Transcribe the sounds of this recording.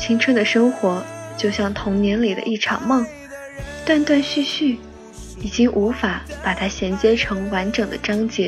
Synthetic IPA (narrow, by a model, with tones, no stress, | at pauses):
t͡ɕʰi˥ŋʈ͡ʂʰwə˥˩nd̪ə˩ʂɤ˥ŋxwɔ˧˥t͡ɕjo˥˧ʊɕjɑ˥˩ŋt̪ʰʊ˧˥ŋnjɛ˧˥nli˨˩d̪ə̰˦ʔi˥˩ʈ͡ʂʰɑ˨˩ŋmɑ˥˩ŋ | t̪a˥˧nt̪wa˥˧nɕy˥˧ɕy˥˩ | i˨˩t͡ɕi˥ŋʔu˧˥fa˨˩pa˨˩t̪ʰa˥ɕjɛ˧˥nt͡ɕjɛ˥ʈ͡ʂʰɤ˧˥ŋwa˧˥nʈ͡ʂɤ˨˩ŋd̪ə˦ʈ͡ʂɑ˥ŋt͡ɕjɛ˧˥